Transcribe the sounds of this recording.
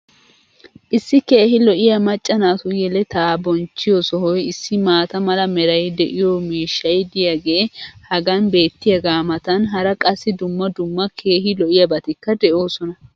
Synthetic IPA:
ʔɪsːɪke̞ːhɪlɔʔɪjɐmɐt͡ʃʼːɐnaːt̪ʊjɛlɛt̪aːbɔnt͡ʃːɪjɔsɔɦɔjɪsːɪmaːt̪ɐmɐlɐmɛɾɐjd̪ɛʔɪjɔmiːʃːɐjd̪ɪjɐɡeːhɐɡɐnbe̞ːt̪ːɪjɐɡaːmɐt̪ɐnɦɐɾɐkʼɐsːɪd̪ʊmːɐd̪ʊmːɐkʰe̞ːɦɪlɔʔɪjɐbɐt̪ɪkːɐd̪ɛʔo̞ːsɔnɐ

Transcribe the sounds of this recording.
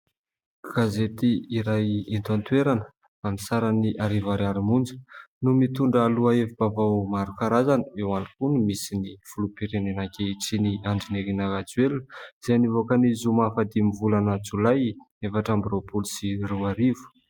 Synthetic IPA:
ɡ̥azet̪iːɾajent̪uant̪weɾanə̥ | amisaɾaniʔaɾivaɾaɾimund͡zə̥numit̪uɳɖ͡ʐːluaevib̥avawmaɾukaɾazanəewanikunimisiniv̥ulupiɾenenakʲeiʈ͡ʂiniaɳɖ͡ʐineɾinaɾad͡zwelz̥ajnivokənizumafad̪imivulanət͡sulaj | efaʈ͡ʂambropulusiruaɾivu̥

